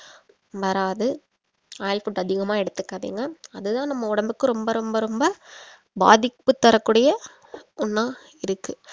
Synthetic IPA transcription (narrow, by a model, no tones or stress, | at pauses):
ʋɐɾaːðɯ | aːjɪlfuʈːɐðɪɣɐmaːɛɽɯt̪ːɯkːaːðḭːŋɡɐːðɯt̪ãːnɐmːɐʊɽɐmbɯkːɯɾɔmbɐɾɔmbɐɾɔmbɐ | ba̰ːðɪkpːɯt̪ːɐɾɐkːuːɽɐjɐ | ʊnːaː | ɪɾɯkːɯ